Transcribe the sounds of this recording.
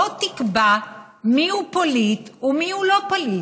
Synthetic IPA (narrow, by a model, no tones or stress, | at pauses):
ot̪ikba | miupolit̪umihulo̞poli